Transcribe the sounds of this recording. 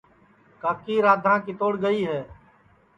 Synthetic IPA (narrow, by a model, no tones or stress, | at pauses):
kaːkiːɾaːd̪ʱãːkiːt̪oːɽɡəiːɦɛː